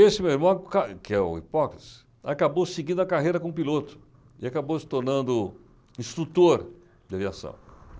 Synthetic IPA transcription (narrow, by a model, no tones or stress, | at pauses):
esɪmewiɾmɐ̃w̃kakɪɛʊ̰ḭpɔkɾi̥s | akabowsɪɡĩnd̪ʊɐkaɦejɾɐkõũpilot̪ʊ̥ | ɪakabowsɪ̥t̪oɾnɐ̃nd̪ʊ | ĩst̪ɾut̪oɾ | d͡ʒ̪ɪaviasɐ̰̃w̃